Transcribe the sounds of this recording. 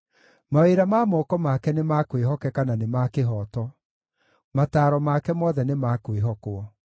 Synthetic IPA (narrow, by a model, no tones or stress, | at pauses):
maeɾamaːmɔkɔmakɛnemakweɦɔkɛkananemakeɦɔːtɔ | mataːɾɔmakɛmɔðɛnemakweɦɔkoɔ